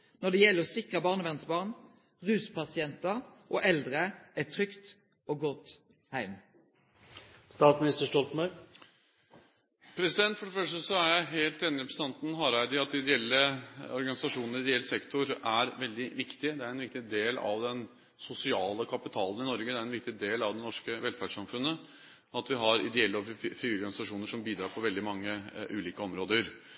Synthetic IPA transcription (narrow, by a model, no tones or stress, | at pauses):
nɔd̪ɛjɛlːəsɪkʁəbɑːʁnəʋɛnsbɑːʁn | ʁʉːspʰɑsɪɛnt̪əʁʔoʔɛld̪ʁəɛt̪ʰʁʏkt̪ | oɡɔt̪ | hæɪm | st̪ɑːt̪smɪnɪst̪əʂʈɔlt̪mœ | pʰɾɛsɪd̪ɛnt̪fɔɖɛfœʂʈəsɔæɾjæɪɦeːlt̪ɛnːɪɾpsɑnt̪n̩ɦɑːɾæɪd̪ɪɑt̪̚d̪ɪd̪ɪɛlːəɔɾɡɑnɪsɑʂuːnəɾɪd̪ɛɛlːsɛkt̪ʊɾæɾʋɛld̪ɪʋɪkt̪ɪd̪ɛæɾɛnʋɪkt̪ɪd̪eːlɑ̰ʋd̪ɛn | sʊsɪɑːləkʰɑpɪt̪ʰɑːlˠən̩ɪnɔɾɡəd̪ɛæɾɛnʋɪk̚t̪ɪd̪eːlɑʋd̪ɛnɔʂkəʋɛlfæɖʂɑmfʉnːə | ɔɑt̪ʋɪɦɑɾɪ̰d̪ɛɛlːəɔfiɔɾɡɑnɪsɑʂuːnəʂɔmbiːd̪ɾɑːɾpʰɔʋɛld̪ɪmɑŋːəʔʉːliːkəɔmɾoːd̪əɾ